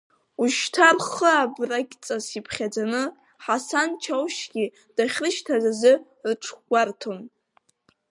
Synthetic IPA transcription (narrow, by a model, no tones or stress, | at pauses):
uʃtʰarχəabraɡʲʼt͡sʼasipʰχʲad͡zanɨ | ħasant͡ʃʰawʃɡʲi | d̥aχʲrɨʃtʰazazɨ | rʈ͡ʂʰɡʷartʰon